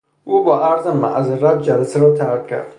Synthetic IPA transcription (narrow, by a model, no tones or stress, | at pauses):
ubɔʔaɾzamːa̰ʔzɾab̚d͡ʒalasaɾɔt̪ʰaɾkkʰːa̰ɾd̪̥